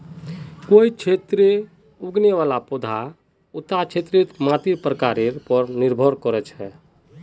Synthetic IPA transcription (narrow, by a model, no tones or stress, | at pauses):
koit͡ʃʰet̪ɾe | uɡneʋalapɔd̪ʱa | ut̪at͡ʃʰet̪ɾit̪mãt̪iɾpɾəkaɾeɾpɔɾniɾbʱɔɾkɔɾɛt͡ʃʰɛ